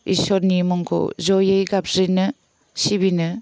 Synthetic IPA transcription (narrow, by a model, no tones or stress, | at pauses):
ḭsɔɾnimɔŋkʰɔ̰zɔjejɡap̚ɾinɯ | sibinɯ